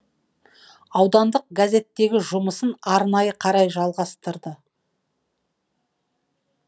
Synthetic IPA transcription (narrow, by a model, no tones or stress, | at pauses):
ɑwd̪ɑnd̪əq̚ɡaze̞t̪ːe̞ɡʲɪʒʊməsənɑɾnɑjəqʰɑɾɑjʒɑlˠʁɑst̪əɾd̪ə